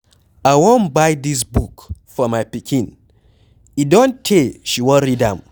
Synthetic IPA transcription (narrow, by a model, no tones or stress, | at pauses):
ajwɔ̃nbajd̪is̬bukfɔmajpikʰĩn | idɔ̃ntʰeʃiwɔɾidãm